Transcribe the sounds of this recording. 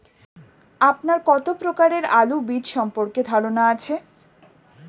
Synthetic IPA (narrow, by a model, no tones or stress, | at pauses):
apnaɾkɔt̪opɾokaɾeɾalubid̪ʃɔmpoɾked̪ʱaɾonaat͡ɕʰe